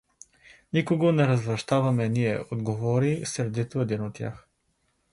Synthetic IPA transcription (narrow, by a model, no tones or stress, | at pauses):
nikoɡonɛɾɐzvɾɐʃt̪avɐmɛniɛ̰od̪ɡovɔɾisɾɛd̪it̪ʊɛd̪inot̪ːʲja̰x